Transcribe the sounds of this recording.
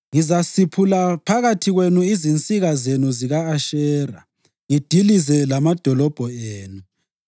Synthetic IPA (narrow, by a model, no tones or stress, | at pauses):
ŋizasipʰulapʰaɣatʰiɣwenuizint͡sʼiɣazenuziɣaːʃɛːra̰ | ŋid̥ʱilizɛlamad̥ʱɔlɔb̥ʱɔeːnu